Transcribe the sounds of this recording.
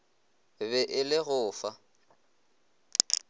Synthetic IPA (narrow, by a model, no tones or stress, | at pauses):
βɛʔɪlɪɣʊːfa